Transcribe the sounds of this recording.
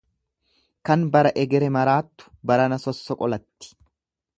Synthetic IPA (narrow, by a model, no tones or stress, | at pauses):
kɐnbɐɾɐʔɛɡɛɾɛmɐɾaːt̪ːʊ̥bɐɾɐnɐsɔsːɔkʼɔlɐt̪ːɪ̥